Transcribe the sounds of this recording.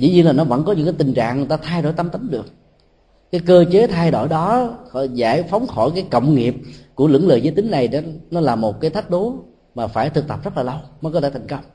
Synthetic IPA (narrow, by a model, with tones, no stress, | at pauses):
zḭ˧˥ɲi˧nlaː˨˩nɔ˨˦və̰˧˥nkɔ˨˦ɲɨ̰˧˥ŋkaː˨˦t̪ï˨˩ŋ̟t͡ɕa̰ː˧˨ŋ˨˩jt̪aː˧t̪ʰaː˧jɗo̰˧˩˨jt̪ə˧mt̪ə˨˦ŋɗɨ˨˩ək̚ | kaː˨˦jkəː˧t͡ɕe˨˦t̪ʰaː˧jɗo̰˧˩jɗɔ˨˦˧za̰ː˧˩jfa˨˦wŋ͡mxɔ˧˩jkaː˨˦jkə̰˧˨wŋ͡mŋi˨˩əp̚ku˧˩əlɨ̰˧˥əŋləː˨˩jzəː˧˦jt̪ï˨˦ŋ̟na˨˩jnɔ˨˦laː˨˩mo˨˩t̚kaː˨˦jt̪ʰa˦˥k̟̚ɗo˨˦ | maː˨˩faː˧˩jt̪ʰɨ˨˩k̚t̪ə˨˩p̚zə˦˥laː˨˩lə˧wməː˨˦kɔ˧˦t̪ʰeː˧˩t̪ʰŋkə˧wŋ͡m